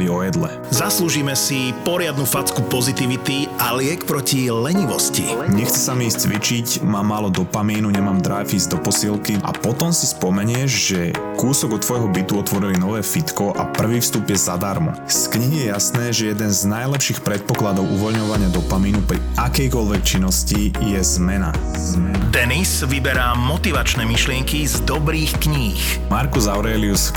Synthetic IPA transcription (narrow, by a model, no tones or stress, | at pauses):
iɔjɛd̪lɛ̰ | zasluːʒiːmɛsipɔɾɪad̪nufat͡skupɔzit̪iʋit̪ialɪɛkpɾɔcilɛɲiʋɔscḭɲɛxt͡sɛsamiiːst͡sʋit͡ʃicmaːmːaːlɔd̪ɔpamiːnuɲɛmaːmd̪ɾajfiːzd̪ɔpɔsilkia̰pɔt̪ɔmsispɔmɛɲɪɛʒʒɛ | kuːsɔɡɔt̪ːʋɔjɦɔbit̪uɔt̪ʋɔɾilinɔʋɛːfit̪kɔʔapr̩ʋiːfst̪uːpjɛzad̪aɾmɔ̰skɲiɦijɛjasnɛːʒɛjɛd̪ɛnznajlɛpʃiːxpɾɛt̪̚pɔklad̪ɔʊʔuʋɔʎɲɔʋaɲɪad̪ɔpamiːnupɾḭʔakɛjkɔʎʋɛk̚t͡ʃinːɔscijɛzmɛna | d̪ɛnisʋibɛɾaːmɔt̪iʋat͡ʃnɛːmiʃlɪɛŋkizd̪ɔbɾiːxkɲi | x | maɾkuzaʊɾɛlius